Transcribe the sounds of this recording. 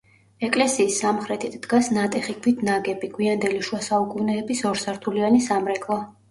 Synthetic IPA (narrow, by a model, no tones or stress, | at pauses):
ɛkʼlɛsiːsːamχɾɛt̪ʰit̪ʰd̪̥ɡasnat̪ʼɛχikʰwit̪ʰnaɡɛbiɡʰwiand̪ɛliʃwasaukʼunɛːbisɔɾsaɾt̪ʰulianisamɾɛkʰʼlˠɔ